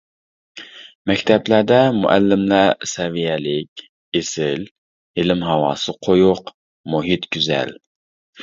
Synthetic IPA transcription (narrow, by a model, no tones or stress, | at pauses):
mɛkʲt̪ʰɛblæd̪ɛmṵʔæ̰lːɪmlæsɛvijɛlɪkʲ | esɪl | ɪlɪmɦɑwɑ̰ːsɨqʰojʊq | muɦit̪ɡʲyzɛ̰l